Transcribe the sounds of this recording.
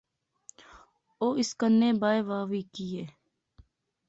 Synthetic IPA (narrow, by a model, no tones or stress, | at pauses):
oːɪskənːẽːbaːeːʋaːʋiːkiːeː